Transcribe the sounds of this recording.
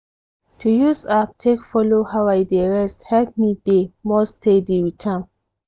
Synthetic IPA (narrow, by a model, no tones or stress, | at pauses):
tʰujusap̚tʰekfɔlohawajdeɹɛsthɛlp̚midemɔstʰedeɹitʰãn